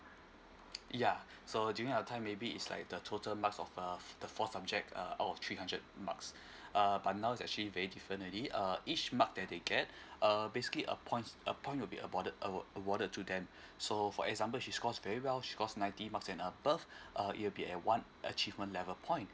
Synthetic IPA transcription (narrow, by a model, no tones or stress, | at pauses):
ja | sodjuɹĩŋaətʰãɪ̃mːebiɪ̰tsla̰ɪk̚dətʰotəlmaksɔfəd̥əfɔtsab̚d͡ʒɛk̚tʰəa̰ʊtɔft̪ʰɹihãndɹəd̚ma̰ks | ʔəbat̚naʊitsɛ̰k̚t͡ʃəlivɛɹidifɹə̃nəliʔʌit͡ʃmak̚dɛdeɡɛt̚əbesi̥kəliʔə̰pʰɔ̃ɪ̃ntə̰pʰɔ̃ɪ̃t̚wilbḭə̰bɔəʔəəbɔɾəd̚tʰːudɛ̃m | sofɔ̰ɛ̰kzãmpəlʃiskɔsvɛɹiwɛlʃi̥kɔsnãɪ̃ntimaksɛ̃nəbəfʔəḭtwilbiɛt̚wãn | ʔə̰t͡ʃivmə̃ntlɛvəpʰɔ̃ɪ̃nt